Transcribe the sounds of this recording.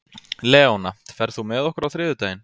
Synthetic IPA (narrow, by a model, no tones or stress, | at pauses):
lɛːɔnam̥t̪fɛɾθumɛðɔhkʏɾawθɾɪːðʏt̪ajɪn